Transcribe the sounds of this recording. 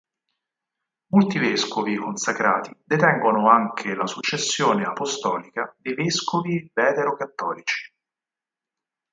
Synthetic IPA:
molt̪iveskovikonsakɾa̰ːt̪id̪et̪ɛŋɡonoaŋkʰelasut͡ʃːesːjoːneapost̪ɔːlikad̪ejveskovivɛːt̪eɾokat̪ːɔːlit͡ʃi̥

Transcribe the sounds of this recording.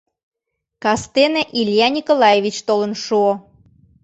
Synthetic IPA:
kɑst̪eneʔilʲjɑnʲikolɑjeβit͡ɕt̪olə̆nʃuo

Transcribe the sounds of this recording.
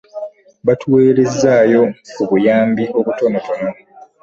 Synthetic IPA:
βatʰuweːɾezːaːjo̞kuβujaːmbio̞βuto̞noto̞no

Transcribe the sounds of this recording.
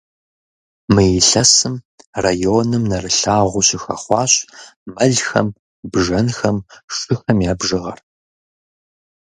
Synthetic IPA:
mɨjɪɬɐsɨm | rajoːnɨmnɐrɨɬaːʁʷʊɕɪxɐ̰χʷɑːɕmɐɮxɐ̰m | bʒɐnxɐmʂɨxɐmjaːbʒɨʁɐ̰r

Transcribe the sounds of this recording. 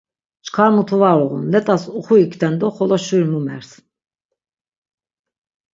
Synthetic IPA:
t͡ʃʰkʰaɾmut̪ʰuvaɾɔʁṵnlɛt̪ʼasuχuikʰt̪ʰɛnd̪ɔχɔlˠɔʃuɾnumɛ̰ɾs

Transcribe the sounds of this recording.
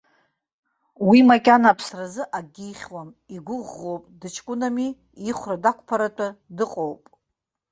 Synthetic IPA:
wimakʲʼanapʰsrazɨʔaɡʲijχʲwam | iɡʷʊʁːo̞wpʼdɨt͡ʃʰkʷʼʊnami | iχʷradakʷʰʼpʰaɾatʷʼadɨqʼowpʼ

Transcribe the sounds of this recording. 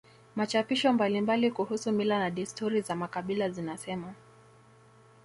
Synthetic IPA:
mat͡ʃapiʃɔmbalimbalikuhusumilanaɗistuɾizamakaɓilazinasɛma

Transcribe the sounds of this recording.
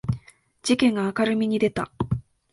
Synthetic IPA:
d͡ʑikẽ̞ŋɡaːkaɾɯ̟mʲiɲ̟id̪e̞t̪a̰

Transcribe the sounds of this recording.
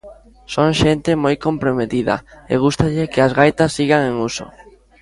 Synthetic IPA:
soŋʃent̪ɪmojkompɾomet̪iðɐ̰ḛɣ̞ust̪aʎɪkɪazɣajt̪asːiɣaŋeŋuso̰

